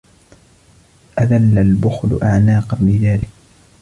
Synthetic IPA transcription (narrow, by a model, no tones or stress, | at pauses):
ʔaðalːalbʊxlʊ̰ʔaʕnaːqɑnbɪðaːlɪk̚